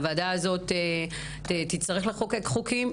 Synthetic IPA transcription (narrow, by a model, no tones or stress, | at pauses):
vadaːzo̞te | etitt͡st̪aʁeχlaχokekχukim